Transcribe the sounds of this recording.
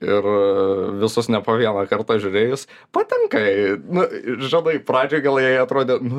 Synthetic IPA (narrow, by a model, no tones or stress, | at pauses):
ɪrʋʲɪsʊsnʲɛpoːʋʲiɛnɐkɐrt̪ɑːʒʲʊɾʲeːjʊs | pɐt̪ʲɛŋkɐɛnʊʒʲɪnɐɪprɑːd͡ʒʲʊɡʲɛlˠjɛɪɐt̪ɾoːd̪ʲeːn